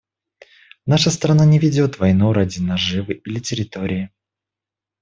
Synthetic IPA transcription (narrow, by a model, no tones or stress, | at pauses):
naʂəst̪ɾɐnanʲɪvʲɪdʲo̞t̪vɐjnuɾadʲɪnɐʐɨvɨʔilʲɪtʲɪɾʲɪt̪o̞ɾʲɪɪ